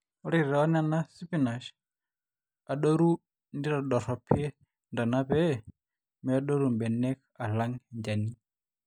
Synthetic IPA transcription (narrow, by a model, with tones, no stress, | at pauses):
ɔ˦ɾi˨ɾɔ˦nana˦si˦pi˦na˨ʃ | a˨ɗo˦ɾu˦ | ndi˦ɾa˨ɗɔ˨ɾɔ˨pʰi˦ɛ˦ | nda˨na˦βɛ | mɛ˨a˦ɗɔ˦ɾu˨mbɛ˨nɛ˦ka˨la˦ŋɛɲd͡ʒa˨ni˦